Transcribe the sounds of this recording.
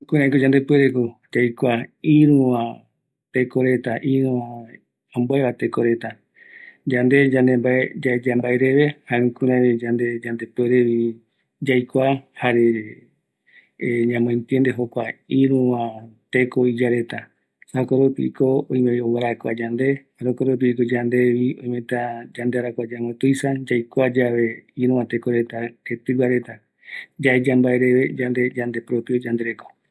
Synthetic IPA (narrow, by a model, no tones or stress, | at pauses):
kʷɨ̃ɾãekod͡ʒãnd̪epweɾekod͡ʒajkʷaiɾũã | t̪e̞koɾe̞t̪aʔiɾũã | õmboeβat̪ekoɾe̞t̪a | d͡ʒand̪e̞d͡ʒãnd̪embaed͡ʒad͡ʒambaeɾe̞βe̞haĩkũɾãβid͡ʒand̪e̞d͡ʒand̪e̞pweɾeβi | d͡ʒajkʷahaɾe | ɲãmõẽnt̪jend̪eɦokʷaiɾũãt̪e̞koid͡ʒaɾe̞t̪a | sakoɾupḭkoõj̃meowaɾaekʷa̰d͡ʒand̪e̞haɾokoɾup̬iikod͡ʒand̪e̞βiõj̃mẽt̪ad͡ʒand̪eaɾakʷad͡ʒamõt̪ujsad͡ʒajkʷad͡ʒaʋe̞iɾũãt̪e̞ko̞ɾe̞t̪aket̪ɨwaɾe̞t̪a | d͡ʒaed͡ʒambaeɾe̞βe̞d͡ʒand̪ed͡ʒand̪e̞pɾopjod͡ʒand̪e̞ɾeko